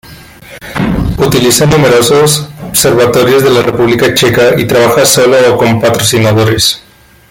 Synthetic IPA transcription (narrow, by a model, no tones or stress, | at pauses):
ut̪ilisanume̞ɾo̞sosoβse̞ɾβat̪o̞ɾjo̞zðe̞larʔepuβlikat͡ʃe̞kait̪ɾaβaxaso̞loːko̞mpat̪ɾo̞sinaðo̞ɾe̞s